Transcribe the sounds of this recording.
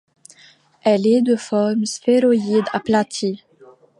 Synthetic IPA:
ɛlɛd̪əfɔʁmsteɾoid̪a̰plat̪ʰi

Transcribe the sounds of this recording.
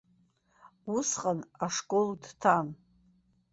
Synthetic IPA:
usqʼanaʂkʼoldtʰan

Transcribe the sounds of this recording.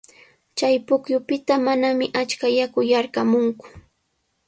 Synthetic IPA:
t͡ʃajpʊkjʊpɪt̪amanamɪʔat͡ʃkajakʊjaɾkamʊŋkʊ̥

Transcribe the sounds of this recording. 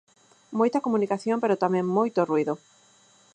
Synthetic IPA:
mojt̪ɐkomunikaθjompeɾot̪amẽŋmojt̪oruiðo

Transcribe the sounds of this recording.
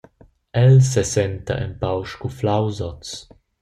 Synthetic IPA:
ɛlsɛsɛnt̪a̰ʔɛmpawʃkuflawzɔt͡s

